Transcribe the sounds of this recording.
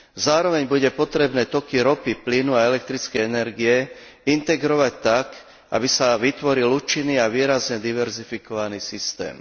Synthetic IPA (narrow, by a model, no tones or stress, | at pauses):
zaːɾɔʋɛɲbuɟɛpɔt̪ɾɛbnɛːt̪ɔkiɾɔpiplinuaɛlɛk̚t̪ɾit͡skɛjɛnɛɾɡiɛint̪ɛɡɾɔʋac̚t̪ak | ʔa̰bisaʋit̪ʋɔɾiluːt͡ʃinːiːaʋiːɾazɲɛd̪iʋɛɾzifikɔʋaniːsist̪ɛ̰ːm